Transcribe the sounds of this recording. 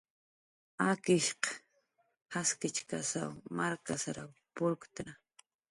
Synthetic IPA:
akɪʃqɑ̥ | haskɪt͡ʃka̰sa̰wmaɾkasaɾawpʊlkt̪ɾa

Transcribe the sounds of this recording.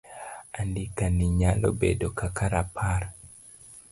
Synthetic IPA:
andikaniɲalɔ̰bḛdokakaɾapʰaɾ

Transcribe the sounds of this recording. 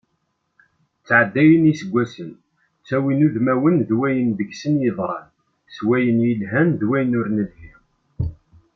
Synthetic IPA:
t͡sːʕəd̪ːæjənisəɡʷːæsən | t͡sːæwinuðmæwənðwæjənðəɡsənjəðˤɾˤɑ̰n | swæjənjəlɦænðwæjənʊɾnəð

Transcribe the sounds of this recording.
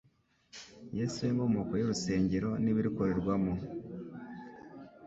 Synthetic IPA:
jesujemomoːkojoɾuse̞ːɲɟeɾo̞niβiɾiko̞ɾe̞ɾɡwamo

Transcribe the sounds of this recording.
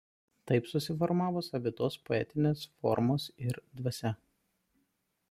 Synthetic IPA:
t̪ɐɪpsʊsʲɪfɔɾmɑːʋoːsɐpʲɪt̪oːspoɛt̪ʲɪnʲeːsfɔ̰ɾmoːsɪɾd̪ʋɐsʲɛ

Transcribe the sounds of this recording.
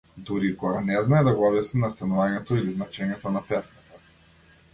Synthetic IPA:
d̪uɾikɔɡanɛznaɛd̪aɡɔɔbjasninast̪anuvaɲɛt̪ɔiliznat͡ʃɛɲɛt̪ɔnapɛsnat̪ḁ

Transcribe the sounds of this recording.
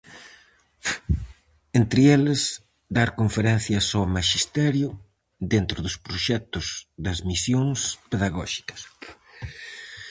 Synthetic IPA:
ent̪ɾɪelɪs | d̪aɾkoɱfeɾɛn̟θjɐsomaʃist̪ɛɾjʊ | ðent̪ɾʊðʊspɾoʃɛt̪ʊzðɐzmisjoŋspeðaɣɔʃi̥kɐ̥s

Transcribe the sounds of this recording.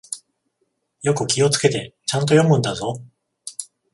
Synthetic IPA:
jo̞kɯ̟kʲio̞t͡sɨ̥ke̞t̪e̞t͡ɕãnt̪̬ojõ̞mɯ̟̃nd̪azo̞

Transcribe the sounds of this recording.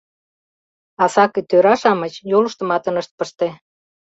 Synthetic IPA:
ɑsɑkĕt̪øɾɑʃɑmət͡ɕjolə̆ʃt̪ə̆mɑt̪ə̆nəʃt̪̚pəʃt̪e

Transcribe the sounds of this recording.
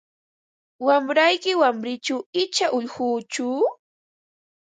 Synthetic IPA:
wamɾajkɪwamɾɪt͡ʃawɪt͡ʃaʔʊʎhuːt͡ʃʊ

